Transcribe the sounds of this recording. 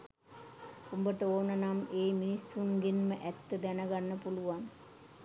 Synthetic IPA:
umbəʈəoːnənameːminisːunɡenməʔæt̪ːəd̪ænəɡanːəpuluʋan

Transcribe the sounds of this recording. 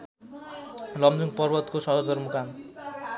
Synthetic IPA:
lʌmd͡zuŋpʌrbʌt̪kosʌɦʌdʌrmukam

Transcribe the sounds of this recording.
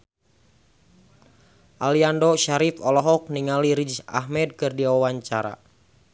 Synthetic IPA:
ʔaliandɔʃaɾifɔlɔɦɔk̚niŋaliɾid͡ʒd͡ʒa̰ɦmɛd̚kɨrdiwawaɲt͡ʃaɾa̰

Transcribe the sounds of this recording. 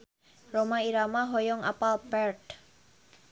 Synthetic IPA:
romaiɾamaɦɔjɔŋa̰palpɛrd

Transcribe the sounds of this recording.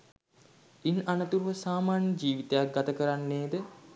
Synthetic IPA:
inanət̪uɾuʋəsaːmaːnjəd͡ʒiːʋit̪ejak̚ɡat̪əkəɾanːeːd̪ə

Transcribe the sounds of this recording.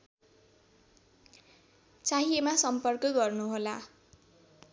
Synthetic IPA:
t͡saɦiemasʌmpʌrkʌɡʌrnuɦola

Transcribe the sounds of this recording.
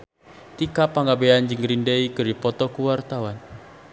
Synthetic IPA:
t̪ikapaŋɡabeand͡ʒɨŋɡɾindeikɨɾipɔt̪ɔkuwart̪awan

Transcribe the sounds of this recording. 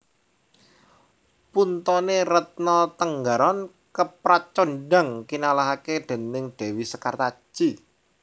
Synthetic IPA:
punt̪ɔneɾət̪̚nɔt̪əŋɡaɾan | kəpɾat͡ʃonɖaŋkinalaɦakeɖ̪̥e̤nɪŋɖ̥e̤wisəkart̪ḁʒ̥i

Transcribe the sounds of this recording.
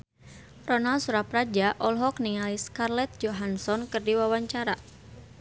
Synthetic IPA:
rɔnalsuɾaprad͡ʒaʔɔlɦɔknialiskarlɛt̪̚d͡ʒɔɦansɔnkɨrdiwawaɲt͡ʃaɾa

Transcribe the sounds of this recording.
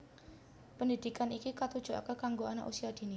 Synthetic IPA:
pəndid̥ikanikikat̪ud̥ʒ̥uʔa̰kəkaŋɡoana̰ʔṵsiad̪̥i̤ni

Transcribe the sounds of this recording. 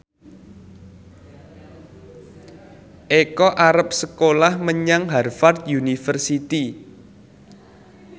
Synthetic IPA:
ʔekɔʔaɾəp̚səkolahməɲaŋɦarfart̪̚junifərsit̪i

